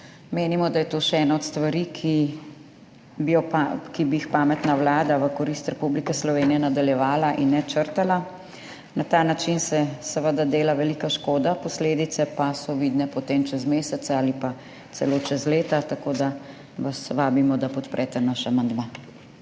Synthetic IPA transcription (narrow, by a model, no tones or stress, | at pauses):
meːnimɔd̪ajɛt̪oːʃɛɛːnaɔt̪st̪ʋaɾikʰi | bijɔpakibijixpaːmɛt̪nawlaːd̪aʋəkɔɾist̪ɾɛpublikɛslɔʋeːnijɛnad̪aljɛʋaːlaʔinːɛt͡ʃəɾt̪ala | nat̪aːnat͡ʃinsɛsɛʋəd̪ad̪eːlaʋɛlikaʃkoːd̪apɔsleːd̪it̪sɛpasɔʋid̪nɛpɔt̪eːmt͡ʃɛzmeːsɛt̪saaːlipa | t̪sɛloːt͡ʃɛzleːt̪at̪akoːd̪a | ʋasʋaːbimɔd̪apɔt̪pɾʔɛt̪ɛnaʃamand̪maː